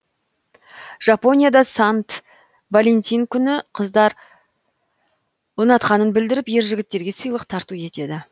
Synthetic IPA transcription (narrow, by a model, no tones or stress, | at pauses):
ʒ̥ɑpo̞nʲijad̪ɑsɑnt̪ | valʲent̪ʲijŋkʲʰʏnɪqʰəzd̪ɑɾ | wonɑt̪qɑnənbɪld̪ɪɾɪpje̞ɾʒɪɡʲɪt̪ːe̞ɾɡʲe̞səjlˠəqt̪ʰɑɾt̪ue̞t̪e̞d̪ɪ